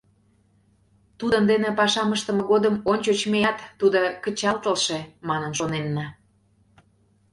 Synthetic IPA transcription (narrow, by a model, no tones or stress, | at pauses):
t̪ud̪ənd̪enĕpɑʃɑməʃt̪ə̆məɣod̪əmonʲt͡ɕot͡ɕmejɑt̪ːud̪okət͡ɕɑlt̪əlʃemɑnənʃonenːɑ